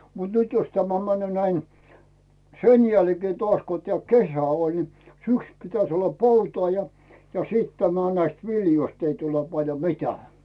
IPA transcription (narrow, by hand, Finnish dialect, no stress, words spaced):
mut nyt jos tæmæ mænːy̆øˑ næi sen jælkeː toɑsʲ ko teæˑ kesæ olʲ ni syksy̆ pitæs olːɑ poutɑː jɑ jɑ siˑt tæmæ næist ʋiljoist ei tule pɑljo mi̞tæː